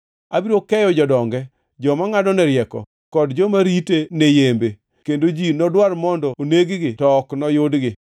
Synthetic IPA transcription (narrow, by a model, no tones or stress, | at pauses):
abiɾokɛjɔd͡ʒɔdɔŋɡɛ | d͡ʒɔmaŋadɔnɛɾɪjɛkɔ̰ | kɔdd͡ʒɔmaɾitenejembe | kendod͡ʒinɔdwaɾmɔndɔoneɡɡɪtɔknɔjʊdɡɪ